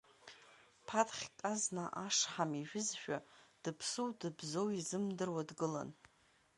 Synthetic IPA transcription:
pʰatʰχʲtʼaznaʔaʂħamiʒᶣʊzʃᶣad̥ɨpʰsowdɨbzowizɨmdɨrwadɡɨla̰n

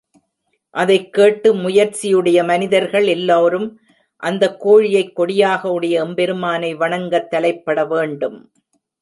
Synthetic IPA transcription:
ʔɐðɐɪkːeːʈːɯmʊjɐɾt͡ʃɪjɯɽɐjɐmɐnɪðɐɾɣɐɭɛlːoːɾɯm | ʔɐnd̪ɐkːoːɻɪjɐɪkːɔɽɪjaːɣɐɯɽɐjɐɛmbɛɾɯmaːnɐɪʋɐɳɐŋɡɐt̪ːɐlɐɪpːɐɽɐʋeːɳɖɯm

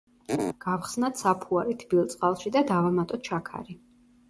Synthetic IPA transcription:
ɡ̥afχsnat̪sapʰuaɾit̪ʰbilˠt̪sʼqʼalˠʃid̪ad̪avamat̪ʼɔt̪t͡ʃʰakʰa̰ɾi

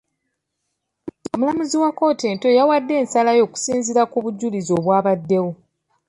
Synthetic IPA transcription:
omulamuziwako̞ːte̞ːnto̞jawadːe̞ːnsalajo̞ːku̥siːnziɾakuβuɟːulizo̞ːβwaːβadːe̞wo̞

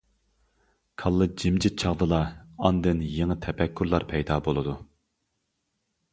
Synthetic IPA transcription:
kʰɑlˠːɨd͡ʒimd͡ʒɪt͡ʃʰɑʁd̪ɨlˠɑɑnd̪ɨnjeŋət̪ʰɛpʰɛkʲʰːyɾlˠɑɾpʰɛjd̪ɑːbolˠɨd̪u

